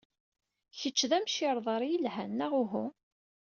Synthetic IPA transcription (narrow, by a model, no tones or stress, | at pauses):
çət͡ʃːðæmʃɪɾˤðˤɑɾˤjəlɦænːæʁʊɦʊ